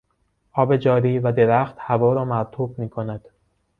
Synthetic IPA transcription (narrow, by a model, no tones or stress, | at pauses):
ʔɒːbe̞d͡ʒɒːɾiːvæd̪eɾæxt̪hævɒːɾɒːmæɾt̪ʰuːbmiːkʰo̞næd̪̥